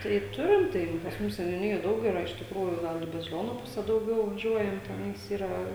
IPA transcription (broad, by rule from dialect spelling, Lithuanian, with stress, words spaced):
tɐɪ ˈtʊrʲɪm ˈtɐɪ pɐs ˈmʊs sʲɛnʲʊˈnʲɪjoːj ˈdɐʊk iːˈrɐ ɪʃ tʲɪkˈruːjuː ˈɡɐlˠ ɪ bɐzʲɪˈlʲoːnʊ ˈpʊsʲɛ dɐʊˈɡʲɛʊ ʋɐˈʒʲuɔjɛm tʲɛˈnɐɪs ˈiːrɐ